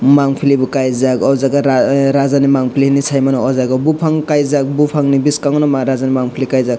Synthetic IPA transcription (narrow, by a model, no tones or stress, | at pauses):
maŋpʰilibukajzakɔwzaɡaɾaɾazanimaŋpʰiliinisʰajmanɔɔzaɡɔbupʰaŋkajzak̚bupʰaŋnibiskaŋɔnɔmaɾazanimaŋpʰilikajzak̚